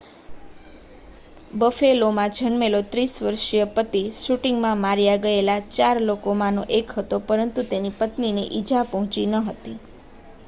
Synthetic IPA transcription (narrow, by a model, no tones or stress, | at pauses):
bəfelomãd͡ʒʱənmelot̪ɾisʋəɾʃijəpət̪iʃuʈiŋɡmãmaɾjaɡəelat͡ʃaɾlokomãnoʔekɦət̪opəɾənt̪ut̪enipət̪nineʔid͡ʒʱapəɦɔ̃t͡ʃinəɦət̪i